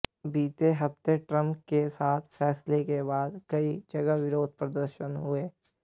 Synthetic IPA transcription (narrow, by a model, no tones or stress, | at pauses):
biːt͡ʃeɦɐft̪eʈɾə̃mpkesaːt̪ʰfɛːslekebaːd̪kɐid͡ʒɐɡəɦʋɪɾoːd̪̚ʱpɾəd̪əɾʃənɦʊeː